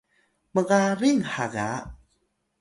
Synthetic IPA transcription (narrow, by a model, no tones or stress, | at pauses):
məɣaɾiŋhaɣa